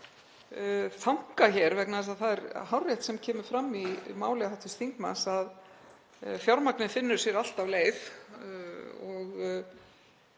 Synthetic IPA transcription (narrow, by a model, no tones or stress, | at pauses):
θawŋ̥kaçɛɾvɛknaðɛs̬aðθaðɛɾhawrːjɛht̪sɛmcʰɛːmʏɾ̥fɾamːimaːwlɛhawt̪ʏ̥st̪θiŋkma̰nsað | fjawɾmaknɪnfɪnːʏɾ̥sjɛɾal̥t̪avleːjf | ɔɣ